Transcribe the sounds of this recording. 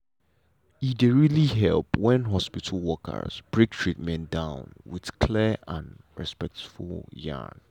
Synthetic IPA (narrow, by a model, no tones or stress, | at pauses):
ideɹiliɦɛlˠpwɛ̃nɦɔspitʰəlwɔkʰə̰sb̥ɹek̚tʰɹit̚mɛ̃ndãʊ̃nwið̥kʰlɛʔãnɹɛ̰spɛk̚tfulˠjã̰n